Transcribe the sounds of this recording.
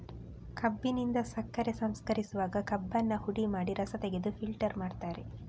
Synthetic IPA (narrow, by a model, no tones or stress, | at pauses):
kɐbːinind̪ɐsɐkːɐɾesɐmskɐɾisuʋaːɡɐkɐbːɐnːɐhuɽimaːɽiɾɐsɐt̪eɡe̞d̪upʰilʈɐɾmaːɖt̪aːɾe